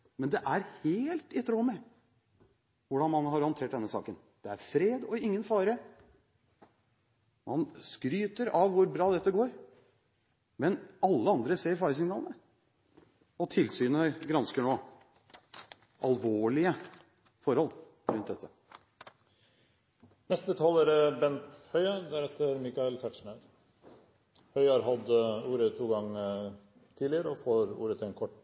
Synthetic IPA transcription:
mɛnd̪ɛʔæɾheːlt̪ɪt̪ʰɾoːmɛ | ʋʊɖɑnmɑnɦɑɾhɔnt̪ʰeːʈ̚d̪ɛnːəsɑ̰ːkən | d̪̥ɛæɾfɾeːd̪ɔɪŋːənfɑːɾə | mɑnskɾyːt̪əɾɑʋʋʊɾbɾɑːd̪ɛt̪ːəɡoːɾ | mɛnɑlːəɑnd̪ɾəseːɾfɑːɾsʏŋnɑːlənə | ɔt̪ʰɪlsyːnəɡɾɑnskəɳoː | ʔɑlʋoːɭɪə | fɔɾhɔlː | ɾʉnd̪ɛt̪ːə | mɛst̪̚bət̪ʰɑːləɾəbɛnt̪hœʏəd̪æɾɛt̪ːəɾmikɑɛlt̪ʰæʈʂɳœɾ | hœʏhɑːɾɦɑd̪uːɾət̪ʰuːɡɑŋː | t̪ʰiːd̪lɪəɾəɔfoːɾṵːɾət̪ʰɪlɛnkʰɔʈː

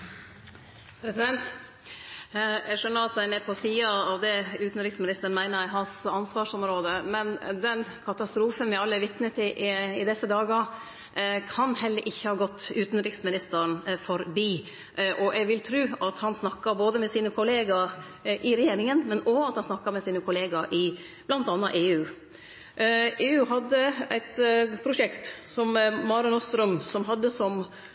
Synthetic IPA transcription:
pʰɾɛsɪd̪ɛnt̪ | ɛʂœnːəɾɑt̪̚d̪æɪnɛpʰɔsiːɑɑʋd̪ɛʉːt̪n̩ɾɪksmɪnɪst̪əɳmæɪnəɾæɦɑnsɑnsʋɑːʂɔmɾoːd̪əmɛnd̪ɛnkʰɑt̪ɑst̪ɾuːfənʋɪɑlːəɾʋɪt̪nət̪ɪʔɪd̪ɛsːəd̪ɑːɡə | kʰɑnhɛlːəɾʔɪçːəhɑːɡɔt̪ːʉːt̪n̩ɾɪksmɪnɪst̪əɾnfɔɾbiː | ʔʔɔʔɛɡʋɪlt̪ʰɾʉːɑt̪hɑnsnɑkːɑboːd̪əmɛsiːnəkʰʊleːɡɑɾ | ʔɪɾɛjeːɾɪŋənmɛnɔɑt̪hɑnsnɑkːɑmɛsiːnəkʰʊleːɡɑɾʔɪ | b̥lɑnt̪ɑnːɑ̰ʔeːʉː | ʔeːʉːɦɑd̪ːəæɪt̪pʰɾʊʂɛkt̪sɔmmɑɾɔnɔst̪ɾœmsɔmɦɑd̪ːəsɔm

